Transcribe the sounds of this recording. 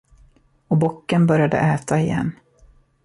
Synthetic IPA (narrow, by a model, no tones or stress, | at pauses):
ɔbɔkːənbœɾjad̪ə̰ʔɛːt̪ʰaɪjɛ̰nː